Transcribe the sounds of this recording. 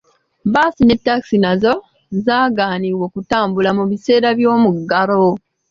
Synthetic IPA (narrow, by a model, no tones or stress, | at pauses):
baːsine̞tːaki̥sinazo̞ | zaːɡaːniːwokutaːmbulamuβise̞ːɾaβjo̞ːmuɡaɾo